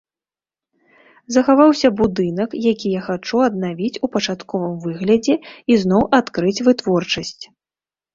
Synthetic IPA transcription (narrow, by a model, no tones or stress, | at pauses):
zɐxavawsʲɐbud̪ɨnɐkjakʲijaxat͡ʂuɐd̪navʲit͡sʲupɐt͡ʂat̪kɔvɨmvɨɣlʲɐd͡zʲɛiznɔwʔat̪kɾɨt͡sʲvɨt̪vɔrt͡ʂɐsʲt͡sʲ